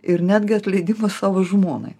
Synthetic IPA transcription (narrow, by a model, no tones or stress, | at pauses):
ɪɾnʲæːd̪ʲɡʲɪɐt̪ʲlʲɛɪd̪ʲɪmɐssɑːʋoʒmoːnɐ̰ɪ